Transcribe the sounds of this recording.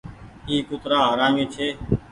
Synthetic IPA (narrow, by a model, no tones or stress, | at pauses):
iːkʊt̪ɾaːɦəɾãːŋeːt͡ʃʰeː